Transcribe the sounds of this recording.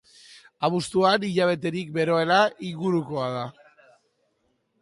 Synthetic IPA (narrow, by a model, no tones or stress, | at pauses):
aβust̪uaniʎaβ̞e̞t̪e̞ɾikbe̞ɾo̞e̞laiŋɡuɾuko̞aða